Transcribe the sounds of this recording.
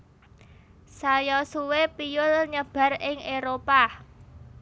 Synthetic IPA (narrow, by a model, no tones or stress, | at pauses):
sajɔsuwepijʊlɲəb̥a̤rɪŋeɾopa